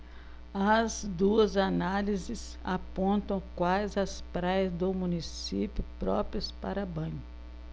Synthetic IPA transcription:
ɐzd̪uɐzanalizɪs | apõnt̪ɐ̃w̃kwajzɐspɾajɐzd̪ʊmũnisipjʊpɾɔpɾiɐspa̰ɾɐbɐ̃ɲʊ

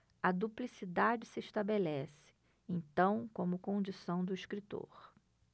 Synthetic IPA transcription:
ɐd̪uplisid̪ad͡ʒɪsɪːʃt̪abelɛsɪ̥ | ẽt̪ɐ̃w̃kõmʊkõd͡ʒisɐ̃w̃d̪ʊiʃkɾit̪o̰ɾ

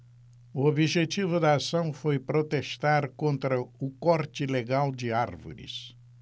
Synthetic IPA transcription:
ʊobiʒet͡ʃivʊd̪ɐasɐ̃w̃fojpɾot̪eʃt̪aɾkõnt̪ɾɐʊkɔɾt͡ʃɪleɡawd͡ʒɪaɾvo̰ɾɪ̰s

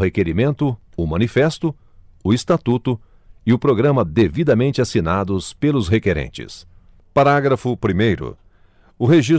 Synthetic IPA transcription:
hekeɾimẽnt̪ʊʊmɐ̃nifɛst̪ʊ | ʊɪst̪at̪ut̪ʊ | ɪʊpɾoɡɾɐ̃mɐd̪evid̪ɐmẽnt͡ʃɪasinad̪ʊspelʊsɦekeɾḛ̃nt͡ʃɪ̰s | paɾaɡɾɐfʊpɾimejɾʊ̰ | ʊɦeʒis

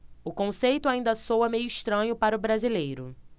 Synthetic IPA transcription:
ʊkõsejt̪ʊaĩnd̪ɐsowɐmejʊiʃt̪ɾɐ̃ɲʊpaɾʊbɾazilejɾʊ

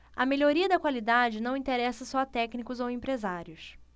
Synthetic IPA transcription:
ɐmeʎoɾiɐd̪ɐkwalid̪ad͡ʒɪnɐ̃w̃ĩt̪eɾɛsɐsɔɐt̪ɛknikʊzowẽmpɾezaɾjʊs

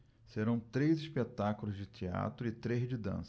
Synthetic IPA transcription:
seɾɐ̃w̃t̪ɾejziʃpet̪akʊlʊzd͡ʒɪt͡ʃ̪ia̰t̪ɾʊɪt̪ɾezd͡ʒɪd̪ɐ̰̃s

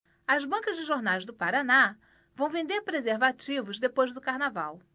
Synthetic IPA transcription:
ɐzbɐ̃ŋkɐzd͡ʒɪʒoɾnajzd̪ʊpaɾana | vɐ̃w̃vẽnd̪eɾpɾezeɾvat͡ʃivʊzd̪epojzd̪ʊkaɾnavaw

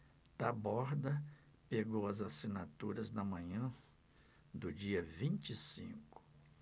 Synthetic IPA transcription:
t̪abɔɾd̪ɐ | peɡowɐzasinat̪uɾɐznɐmɐ̃ɲɐ̃ | d̪ʊd͡ʒiɐvĩnt͡ʃisḭ̃kʊ̥

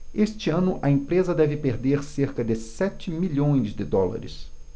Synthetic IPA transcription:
eʃt͡ʃɪɐ̃nʊʔɐẽpɾezɐd̪ɛvɪpeɾd̪eɾseɾkɐd̪ɪsɛt͡ʃɪmiʎõj̃zd̪ɪd̪ɔlɐ̰ɾɪ̰s

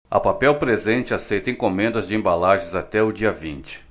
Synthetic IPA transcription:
ɐ̰papɛwpɾezẽnt͡ʃɪasejt̪ɐẽkõmẽnd̪ɐzd͡ʒɪẽmbalaʒẽzat̪ɛʊd͡ʒiɐvĩnt͡ʃɪ̥

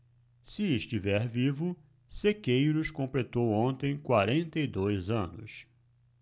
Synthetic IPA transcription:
sɪɪʃt͡ʃivɛɾvivʊ | sekejɾʊskõmplet̪owõnt̪ẽj̃kwaɾẽnt̪ɐid̪ojzɐ̃nʊ̰s

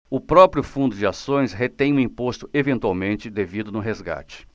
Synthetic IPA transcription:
ʊpɾɔpɾjʊfũnd̪ʊd͡ʒɪasõj̃sɦet̪ẽj̃ũĩpost̪ʊevẽnt̪uwawmẽnt͡ʃɪd̪evid̪ʊnʊɦezɡa̰t͡ʃɪ̥

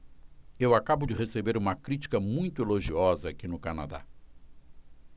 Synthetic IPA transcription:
ewakabʊd͡ʒɪhesebeɾũmɐkɾit͡ʃi̥kɐmũj̃t̪ʊeloʒiɔzɐːkinʊkana̰d̪a̰

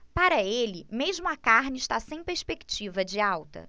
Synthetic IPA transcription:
paɾɐelɪmeʒmʊɐkaɾnɪʃt̪asẽj̃peɾspekt͡ʃivɐd͡ʒɪawt̪ɐ̰

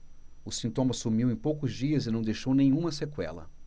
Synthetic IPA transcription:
ʊsĩnt̪õmɐsumiwẽj̃powkʊzd͡ʒiɐzɪnɐ̃w̃d̪ejʃownẽj̃ɲ̃ũmɐsekwɛ̰lɐ̰

